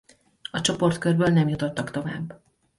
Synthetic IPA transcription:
ɒt͡ʃo̞po̞rt̪kørbøːlnɛmjut̪o̞t̪ːɒkt̪o̞vaːbː

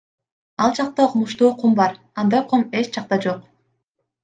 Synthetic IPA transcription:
ɑlˠd͡ʒɑq̚t̪ɑoqʰmuʃt̪uːqʰumbɑɾ | ɑnd̪ɑjqʰome̞t͡ʃd͡ʒɑq̚t̪ɑd͡ʒo̞q

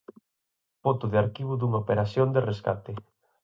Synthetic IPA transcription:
pot̪ʊðeaɾkiβuðuŋaopeɾasjond̪ereskat̪e

